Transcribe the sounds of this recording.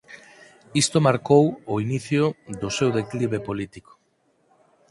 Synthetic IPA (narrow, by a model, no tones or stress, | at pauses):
ist̪omaɾkowʊiniθjʊðʊsewðekliβepolit̪iko̥